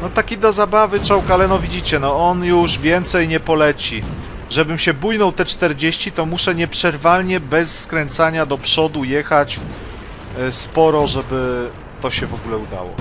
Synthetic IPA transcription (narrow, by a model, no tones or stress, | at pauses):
nɔt̪akʲid̪ɔzabavɘt͡ʂɔwkalɛnɔvʲid͡ʑit͡ɕɛnɔɔnjuʐvʲjɛnt̪sɛjɲɛpɔlɛt͡ɕi | ʐɛbɘmɕɛbujnɔwt̪ɛt͡ʂt̪ɛɾd͡ʑeɕt͡ɕit̪ɔmuʂɛɲɛpʂɛɾvalɲɛbɛsːkɾɛnt̪saɲad̪ɔpʂɔd̪ujɛxat͡ɕ | spɔɾɔʐɛbɘ | t̪ɔɕɛvɔɡulɛud̪a̰wɔ̰